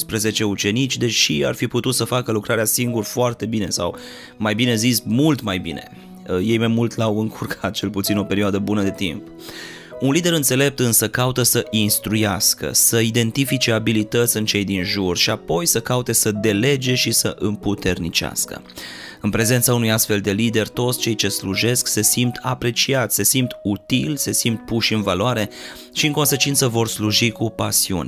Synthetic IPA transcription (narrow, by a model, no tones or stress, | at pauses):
spɾəze̞t͡ʃe̞ut͡ʃe̞nit͡ʃʲd̪e̞ʃia̰rfiput̪ut̪səfakəlukɾʔaɾeasiŋɡurfoart̪e̞bine̞sa̰w | majbine̞zismult̪majbine̞̰ | je̞jmajmult̪lawɨŋkʰurkʰat̪̚t͡ʃe̞lput̪sino̞pe̞ɾioad̪əbunəd̪e̞t̪imp | unlid̪e̞ɾɨnt̪se̞le̞p̚t̪ɨnsəkaut̪əsəʔinst̪ɾujaskə̰səid̪e̞nt̪ifit͡ʃe̞abilit̪ət̪sʲɨnt͡ʃe̞jd̪inʒurʃiapo̞jsəkaut̪e̞səd̪e̞le̞d͡ʒe̞ʃisəʔɨmput̪e̞rnit͡ʃea̰skə̰ | ɨnpɾe̞ze̞nt̪saunujast̪fe̞ld̪e̞lid̪e̞rt̪o̞t̪sʲt͡ʃe̞jt͡ʃe̞sluʒe̞skse̞simt̪ʰapɾe̞t͡ʃiat̪se̞simt̪ut̪ilse̞simt̪̚puʃɨnvaloaɾe̞ | ʃiɨŋko̞nse̞t͡ʃint̪səvo̞rsluʒikupasiṵn